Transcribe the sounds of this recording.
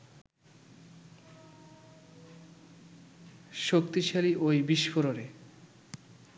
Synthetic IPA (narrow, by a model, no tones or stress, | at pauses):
ʃokt̪iʃaliʔojbiʃfoɾoɾe